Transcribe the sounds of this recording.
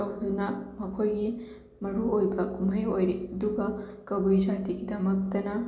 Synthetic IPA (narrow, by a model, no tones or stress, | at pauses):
ɐwdunɐmɐkʰojɡi | mɐɾuojbɐkumɐjojɾeɐduɡɐkɐbujsatiɡidɐmɐk̚tɐnɐ